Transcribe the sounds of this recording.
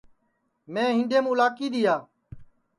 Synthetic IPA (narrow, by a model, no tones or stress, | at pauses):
mẽːɦɪ̃ːɖeːmːʊlaːkiːd̪ɪjaː